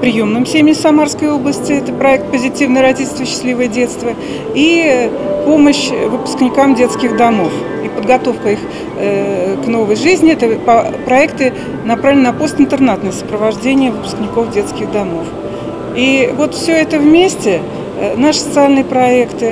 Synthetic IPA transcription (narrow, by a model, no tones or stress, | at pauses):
pɾʲɪjomnɨmsʲemʲnʲɪfsɐmarskəjo̞blˠəsʲtʲɪɛt̪əpɾɐɛk̚t̪̚pəzʲɪtʲivnəjəɾɐtʲitʲɪlʲst̪vəɕːɪ̥slʲivəjədʲet̪st̪və | i | po̞məɕvɨpʊ̥sknʲɪkamdʲe̞t̪skʲɪxd̪ɐmof | ipəd̪̚ɡɐt̪o̞fkəix | kno̞vəjʐɨzʲnʲɪɛt̪əpɐpɾɐɛkt̪ɨ | nɐpɾavlʲɪnɐpo̞st̪ɨnt̪ɨrnat̪nəəsəpɾəvɐʐdʲenʲɪjəvɨpʊ̥sknʲɪko̞fdʲe̞t̪skʲɪɣd̪ɐmo̞f | ivo̞t̪fsʲɵɛt̪əvmʲesʲtʲɪ | naʂɨ̥sət̪sɨalʲnɨjəpɾɐekt̪ɨ